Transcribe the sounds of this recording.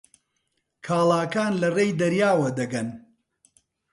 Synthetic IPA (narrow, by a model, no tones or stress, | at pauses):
kʰaːlˠaːkaːnlɐrejd̪ɐɾjaːwɐd̪ɐɡɐn